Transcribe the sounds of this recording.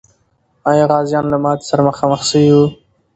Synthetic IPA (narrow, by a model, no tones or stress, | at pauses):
ɑjɑɣɑzjɑnlamɑt̪saɾaməxɑməxsəwju